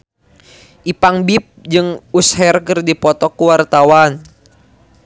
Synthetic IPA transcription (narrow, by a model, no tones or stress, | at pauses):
ʔipaŋbip̚d͡ʒɨŋushɛrkɨrdipɔt̪ɔkuwart̪awan